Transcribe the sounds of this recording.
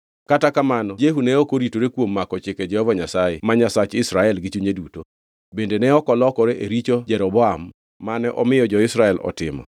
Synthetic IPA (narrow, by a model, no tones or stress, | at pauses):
katakamanɔd͡ʒeɦunɛokoɾitoɾekwomːakɔt͡ʃɪkɛd͡ʒɛhɔvaɲasajḛmaɲasat͡ʃɪsɾaɛlɡɪt͡ʃuɲeduto | bendenɛɔkɔlɔkɔɾeʔeɾit͡ʃod͡ʒɛɾɔbɔamː | anɛʔɔmɪjɔd͡ʒɔɪsɾaɛlɔ̰tɪmɔ̰